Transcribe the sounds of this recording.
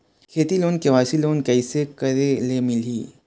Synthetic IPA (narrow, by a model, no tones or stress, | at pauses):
kʰeːt̪iloːnkeʋaːsiloːnkɛɪsekɐɾelemɪliː